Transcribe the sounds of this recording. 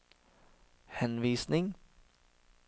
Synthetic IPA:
hɛnʋiːsnɪŋ

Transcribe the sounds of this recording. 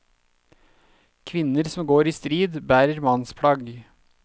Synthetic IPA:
kʰʋɪnəɾsɔmɡoːɾiːst̪ɾiːd̪bæːɾəɾmɑnspʰɽɑɡ

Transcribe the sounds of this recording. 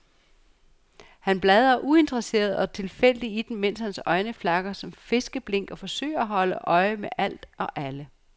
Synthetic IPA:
hænb̥lɛð̞ˠɐʔue̝nd̥ʁɐse̝̰ːɐð̞̩ˠɒ̽t͡sʰe̝lfel̰əd̥iid̥emmen̰shænsɒ̽ɪnəflɑ̈ɡ̥ɐsɒ̽mfe̝sɡ̥əb̥le̝ŋ̰ɡ̥ɒ̽fɒ̽sø̰ɪ̰ɐæɦɒ̽ləʔɒ̽ɪmeʔæl̰d̥ɒ̽ʔælə

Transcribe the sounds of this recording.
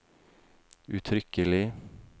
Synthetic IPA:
ʉt̪ʰɾʏkəlɪ

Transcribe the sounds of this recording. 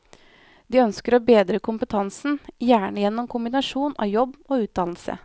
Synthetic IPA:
d̪iːœnskəɾoːbeːd̪ɾəkʰʊmpət̪ʰɑnsn̩jæːɳəjɛnːʊmkʰʊmbɪnɑʂuːnʔɑ̰ːjɔbːoːʉːt̪̚d̪ɑnl̩sə̰

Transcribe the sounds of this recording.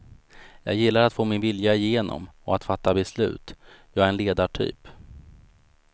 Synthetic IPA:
jɑ̰ːɡjɪlːaɾat̪foːmɪnvɪljaɪjeːnʔɔ̰mɔat̪fat̪ːabɛslʉ̟̰ːt̪jɑːɡæɾɛnleːd̪aʈʰy̰ːp

